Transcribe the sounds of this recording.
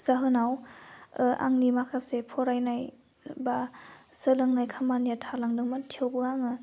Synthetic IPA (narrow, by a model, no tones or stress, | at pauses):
z̥aɦɯnaw | a̰ŋnimakʰasepʰɔɾajnaj | basɯlɯŋnajkʰamanijatʰalaŋdɯŋmatʰiewbɯaŋɯ